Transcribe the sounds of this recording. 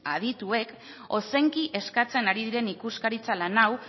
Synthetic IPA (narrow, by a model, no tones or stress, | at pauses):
a̰ð̞it̪ue̞k | o̞se̞ŋkiʔe̞skat͡se̞naɾiðiɾe̞nikuskaɾit͡salanaw